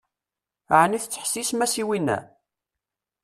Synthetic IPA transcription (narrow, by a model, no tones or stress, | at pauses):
ʕniθt͡sːħsismæsiwinːæ̰